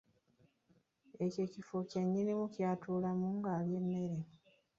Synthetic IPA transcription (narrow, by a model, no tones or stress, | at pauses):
e̞cecifocaɲːinimucjaːtʰuːlamuŋɡaːlje̞nːe̞ɾe